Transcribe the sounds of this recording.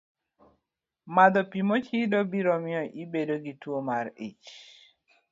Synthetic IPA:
mad̪ɔpimot͡ʃidɔbiɾɔmɪɔʔibedoɡitwomaɾḭt͡ʃ

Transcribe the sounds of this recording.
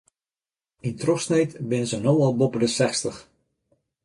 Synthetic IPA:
intrɔxsnejtbɪnəzənowɔlˠbopədəsɛxstəx

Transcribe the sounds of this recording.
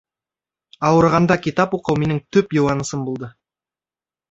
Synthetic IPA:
ɑwəɾʁɑnd̪ɑkʲʰit̪ɑpwoqəwme̞nɪŋt̪ʰɵpjowɑnəsəmbolˠd̪ə

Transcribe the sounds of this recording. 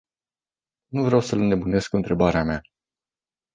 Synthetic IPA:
nuvɾeawsələne̞bune̞skɨnt̪ɾe̞baɾeama

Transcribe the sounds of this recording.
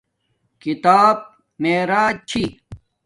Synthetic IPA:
kit̪aːb̚ | meːɾaːt͡ɕʰi

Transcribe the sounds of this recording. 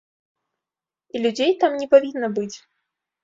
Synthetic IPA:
ilʲud͡zʲejt̪amnʲɛpavʲinːɐbɨt͡sʲ

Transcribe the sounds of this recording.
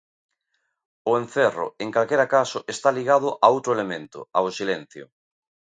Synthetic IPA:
ʊen̟θerʊ̰eŋkalkeɾakasʊʔest̪aliɣað̞ʊʔaowt̪ɾoelemẽnt̪ʊ̰aosilẽn̟θjo̰

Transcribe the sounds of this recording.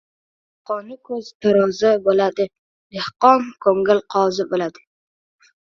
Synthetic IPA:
qʰɒnɪkʰɵz̥t̪ʰaɾɒzabolad̪ɪ | lehqɒnkʰɵŋɪlqʰɒzɪbolad̪ɪ

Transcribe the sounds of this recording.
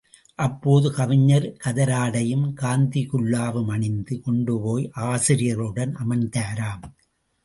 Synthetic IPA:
ʔɐpːoːðɯkɐʋɪɲːɐɾkɐðɐɾaːɽɐjɯmkaːnd̪ikʊɭːaːʋɯmɐɳɪnd̪ɯkɔɳɖɯpoːjʔaːsɪɾɪjɐɾɯɽɐnʔɐmɐnt̪aːɾaːm

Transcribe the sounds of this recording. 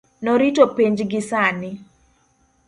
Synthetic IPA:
nɔɾitopeɲd͡ʒɡɪsanɪ

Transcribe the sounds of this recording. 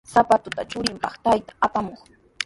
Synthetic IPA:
sapat̪ʊt̪at͡ʃʊɾɪmpɑχt̪ajt̪ḁapamoχ

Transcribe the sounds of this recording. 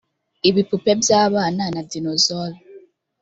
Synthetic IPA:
iβipupebjaːβaːnanadinozolo

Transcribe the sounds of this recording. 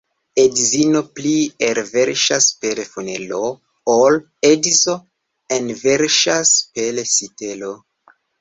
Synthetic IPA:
edzino̞plieɾveɾʃaspelefunḛlo | ol | edzo | enveɾʃaspelesitelo

